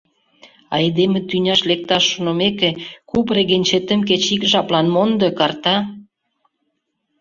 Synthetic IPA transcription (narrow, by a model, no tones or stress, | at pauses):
ɑ̰ed̪emĕt̪ynʲɑʃlek̚t̪ɑʃːonomekekupreɣenʲt͡ɕet̪ə̆mk̬et͡ɕikʒɑplɑnmond̪ɤ̆kɑrt̪ɑ